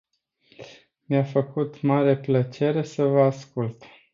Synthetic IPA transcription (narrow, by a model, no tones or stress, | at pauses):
mjafəkut̪maɾe̞plət͡ʃe̞ɾe̞səvəaskult̪